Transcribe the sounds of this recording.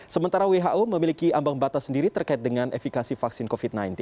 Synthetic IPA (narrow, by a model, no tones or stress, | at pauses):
səmənt̪aɾaweɦaʔoməmilikiʔambaŋbat̪asəndiɾit̪ərkaɪt̪̚dəŋanʔɛ̰fikasifaksɪnkofit̪̚najnt̪ɪn